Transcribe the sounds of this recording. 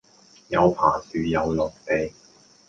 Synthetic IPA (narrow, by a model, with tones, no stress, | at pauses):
jɐ˨˧wpʰa̰ː˨˩syː˨˩jɐ˨˧wlɔː˨˩k̚t̪e˨˧j